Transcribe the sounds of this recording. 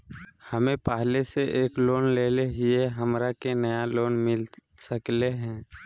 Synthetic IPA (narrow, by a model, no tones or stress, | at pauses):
həmẽpaːɦleseʔeːkloːnleːleɦieɦəmɾakenəjaloːnmɪl | səkleɦɛ̃ː